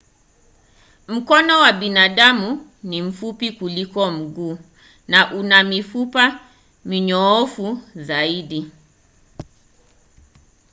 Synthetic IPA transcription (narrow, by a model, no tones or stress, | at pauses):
m̩kɔnɔwaɓinaɗamunim̩fupikulikɔm̩ɡuː | naʔunamifupa | miɲɔɔfuzaiɗi